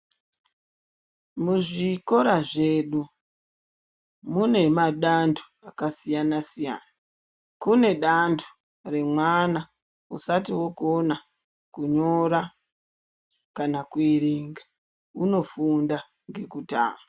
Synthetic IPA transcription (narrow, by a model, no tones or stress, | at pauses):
muʐiko̞ɾaʐe̞ːɗu | mune̞maɗandʰu̥ | akasijanasija̰ːna | kune̞ɗandʰu̥ | re̞mwana | usatiwo̞kuona | kuɲo̞ɾa | kanakuiɾiŋɡa | uno̞funda | ŋɡe̞kuta̰ːma